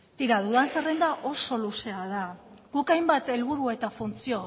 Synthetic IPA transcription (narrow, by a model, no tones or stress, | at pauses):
t̪iɾaðuðansarend̪aʔo̞so̞luseað̞aɡukajmbat̪e̞lβuɾue̞t̪afunt͡sio̞